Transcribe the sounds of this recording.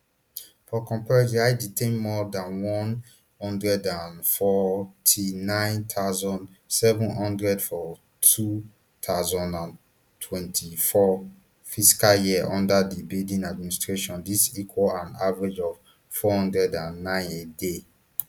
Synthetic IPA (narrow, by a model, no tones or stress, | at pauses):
fɔkɔ̃mpɛɹd͡ʒiaɪditʰẽnmɔdãnwɔ̃n | hɔ̃ndɹɛdãnfɔtʰinãɪ̃nt̪ʰaʊzɔ̃nd | sɛvũnhɔ̃ndɹɛdfɔ | tʰu | t̪ʰaʊzɔ̃ndãn | tʰwɛ̃ntʰifɔ | fisi̥kaljiʔɔ̃ndadibildĩnad̚ministɹeʃɔ̃ndisikʰwɔlãnavaɹed͡ʒɔv | fɔhɔ̃ndɹɛdãnːãɪ̃nede